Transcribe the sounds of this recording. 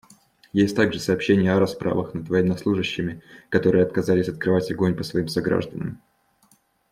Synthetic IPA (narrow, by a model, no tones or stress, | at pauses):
jesʲtʲt̪aɡʐɨsɐːpɕːenʲɪjəɐɾɐspɾʔa̰vəxnəd̪vəjɛnːɐslˠuʐɨɕːɪmʲɪkɐt̪o̞ɾɨjəɐt̪kɐzalʲɪsʲɐt̪̚kɾɨvatʲɐɡo̞nʲpəsvɐimsɐɡɾa̰ʐd̪ənə̰m